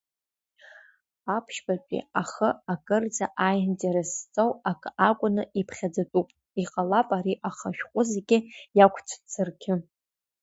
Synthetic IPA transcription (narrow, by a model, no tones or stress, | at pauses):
apʰʃbapʲʼḭaχəakʼɨrd͡zaʔajntʼeɾast͡sʼowakʼakʷʼʊnɨipʰχʲad͡zatʼupʼ | iqʼalapʼaɾiʔaχaʃᶣqʷʼʊzeɡʲɪjakʷʰt͡sʷʰt͡sʰɨrkʲʰɪ